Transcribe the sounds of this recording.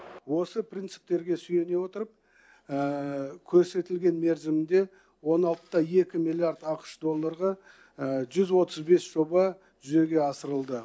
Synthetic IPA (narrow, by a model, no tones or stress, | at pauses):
wo̞səpʰrʲijnt̪sɪ̥p̚t̪e̞ɾɡʲe̞sʏje̞ne̞wo̞t̪əɾəp̚ | əkʲʰɵɾse̞t̪ɪlɡʲe̞nme̞ɾzɪmɪnd̪e̞ | wo̞nɑlˠt̪ːɑje̞kʲɪmilʲˠiaɾd̪ɑqə̥ʃd̪o̞lˠːaɾʁɑ | ʒʏzwo̞t̪əzbe̞sʒ̥o̞bɑ | ʒʏze̞ɡʲe̞ɑsəɾəlˠd̪ə